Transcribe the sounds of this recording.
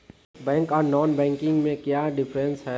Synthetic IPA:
bɛ̃ːŋkɔːɾnɔːnbɛ̃ːŋkɪ̃ŋɡmẽkjaːɖɪpʰɾə̃nsɦɛː

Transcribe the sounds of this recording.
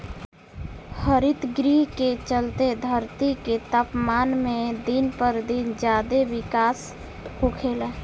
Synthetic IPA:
həɾit̪ɡɾiɦket͡ʃəlt̪ed̪ʱəɾt̪iket̪apmaːnmed̪inpəɾd̪ind͡ʒjad̪eʋikas | ɦokʰel

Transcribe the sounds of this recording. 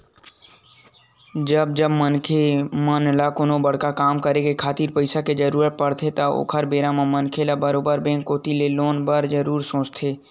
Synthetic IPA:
d͡ʒəb̚d͡ʒəbmənkʰemənlakonobəɽ̤kakaːmkəɾekekʰaːt̪iːɾpəɪsaked͡ʒəɾuːɾət̪̚pəɽt̪ʰet̪ao̰ːkʰəɾbeːɾamãmənkʰelabəɾoːbəɾbẽːŋkːoːt̪ileloːnbəɾd͡ʒəɾuːɾsõːt͡ʃt̪ʰeː

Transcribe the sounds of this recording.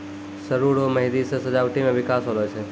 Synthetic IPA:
səɾuɾoməɦid̪isəsəd͡ʒaʋʈimẽʋɪkaːsɦolot͡ʃʰe

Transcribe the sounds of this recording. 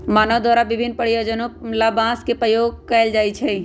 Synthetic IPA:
maːnəʋd̪ʱaːɾabɪbʱɪnːpəɽijoːd͡ʒənõlabãskepɾəjoːɡ̚kɛɪld͡ʒaːit͡ʃʰɛ

